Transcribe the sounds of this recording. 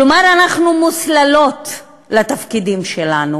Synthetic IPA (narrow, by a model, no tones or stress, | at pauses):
lomaɾanaχnumuslalo̞t̪ | lat̪afkidimʃelanu